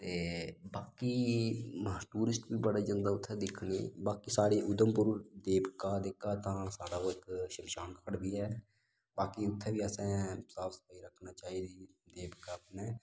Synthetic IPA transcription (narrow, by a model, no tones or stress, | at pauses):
t̪eːbaːkiː | ʈuːɾɪsʈbiːbəɽaːd͡ʒãːnd̪aːʊt̪ʰːɛːd̪ɪkʰɳḛːbaːkiːsaːɽeːʔʊd̪əmpʊɾd̪eːbkaːd̪ɪkːaːt̪ãːsaːɽaːoːɪkʃɪmʃaːnkəkʰəɽbiːɦɛː | baːkiːʊt̪ʰːɛːbiːəsɛ̃ːsaːpsə̥paiːɾəkʰnaːt͡ʃaːiːd̪iːd̪eːbkaːpnɛ̃ː